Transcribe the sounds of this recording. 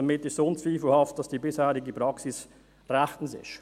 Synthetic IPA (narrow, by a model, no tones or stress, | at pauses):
ɑmɪtɪʃsoːnt͡sviːfl̩hɑft̚d̥ɑsd̥iːbɪshɛːɾɪɡəpɾɑksɪs | rɛχtn̩sɪ̰ʃ